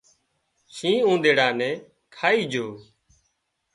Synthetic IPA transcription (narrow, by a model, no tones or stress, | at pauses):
ʃʰĩːũːd̪eːɽaːnɛ̃ː | kʰaːiːd͡ʒʱoː